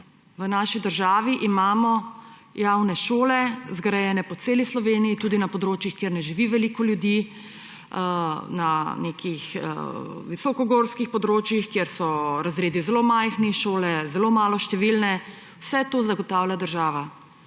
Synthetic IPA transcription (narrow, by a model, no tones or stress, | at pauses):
ʋənaːʃid̪əɾʒaːʋiʔimaːmɔjawnɛʃoːlɛzɡɾajɛːnɛpɔt̪seːlislɔʋeːnijit̪uːd̪inapɔd̪ɾoːt͡ʃjixkjeːɾnɛʒiʋiʋɛlikɔljud̪ji | nanekʰixʋisɔkɔɡoːɾskixpɔd̪ɾoːt͡ʃjixkjeːɾsɔɾazɾeːd̪izɛlomajxniʃoːlɛzɛlomaːlɔʃt̪ɛʋilnɛ | wsɛt̪oːzaɡɔt̪aːwlʲjad̪əɾʒaːʋa